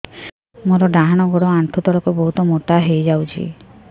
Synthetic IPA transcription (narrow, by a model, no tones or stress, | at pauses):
moɾɔɖaɦaɽ̃ɔɡɔɽɔaɳʈ̪ʰut̪ɔɭɔkubɔɦut̪ɔmoʈaɦejd͡ʒawt͡ʃʰḭ